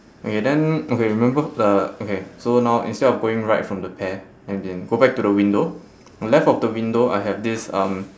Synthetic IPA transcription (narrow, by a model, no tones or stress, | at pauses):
ʔokedɛ̃nokeɹimɛ̃mbədəokesonaʊʔḭ̃nstɛdɔfɡoɪ̃ŋɹaɪtfɹɔ̃mdəpʰɛ | ɛ̃ndɛ̃nɡobɛk̚tudəwĩndo | lɛftɔfdəwĩndoʔa̰jɦɛvdisʌ̃m